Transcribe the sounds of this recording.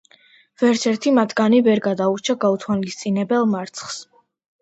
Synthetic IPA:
vɛɾt̪sʰɛɾt̪ʰimat̪ʰɡanivɛɾɡad̪auɾt͡ʃʰaɡaut̪ʰwalist̪sʼinɛbɛlˠmaɾt̪sʰχs

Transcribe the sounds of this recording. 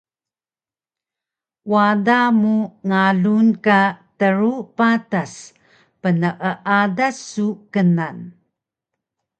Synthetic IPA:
wadamuŋaɮunkatəɾupatas | pənəʔəʔadasːukənan

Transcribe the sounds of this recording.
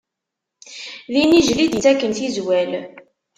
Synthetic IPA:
ðiniʒlid̪jiθækːənθizwæl

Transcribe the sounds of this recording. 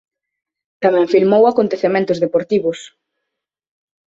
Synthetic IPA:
t̪amɛ̃ŋfilmowakont̪eθemẽnt̪ʊzðepoɾt̪iβʊs

